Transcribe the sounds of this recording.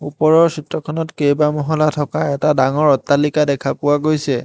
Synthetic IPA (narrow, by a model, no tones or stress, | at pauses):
uppɔɹɔɹsitɹɔkʰɔnɔtkejbamɔɦɔlatʰɔkaɛtadaŋɔɹɔtːalikadɛkʰapʊwaɡojsɛ